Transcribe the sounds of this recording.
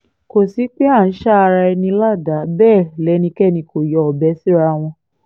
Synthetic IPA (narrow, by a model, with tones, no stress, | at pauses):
ko˨si˨˦k͡pe˦a˦˨n̩˨˦ʃa˦˧ɾa˧ɛ˧nĩ˧la˦˨da˨˦bɛː˦˨lɛ˨˦nĩ˧kɛ˦˨nĩ˧ko˨jɔ˨ɔ˨bɛ˨˦si˦ɾa˧w̃ɔ̃˧